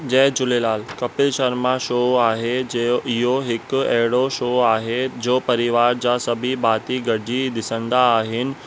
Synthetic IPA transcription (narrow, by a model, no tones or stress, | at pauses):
d͡ʑɛːd͡ʑʊlelaːlkɐpɪlʃɐɾmãʃoːaːɦed͡ʑeɪɦoɦɪkʊɐ̰ɦɪɽoʃoːaːɦed͡ʑoːpɐɾɪʋaːɾd͡ʑaːsɐbʱibaːt̪iɡɐɖʱid̪ɪsə̃nd̪aːɦɪnɪ̆